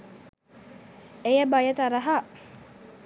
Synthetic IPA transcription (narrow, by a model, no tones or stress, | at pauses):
ejabajat̪aɾaɦa